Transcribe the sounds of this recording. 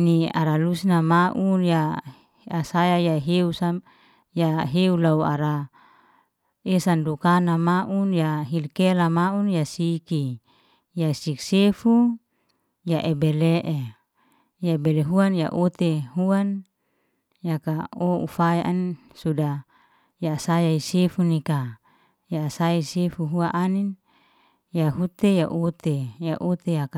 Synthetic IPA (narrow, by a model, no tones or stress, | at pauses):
nia̰ɾalusnamaʔunja | asajajaɦeusa | jaɦeulaua̰ɾa | esandukanamaʔunjaɦilkelamaunjasiki | jasiksefu | jaʔebeleʔe | jaebeleɦuanja̰ʔot̪eɦuan | jakaoṵfajaʔan | suda | jasajaisefunika | jasaisefuɦuaʔanin | jaɦut̪ejaʔot̪ejaʔot̪ejaka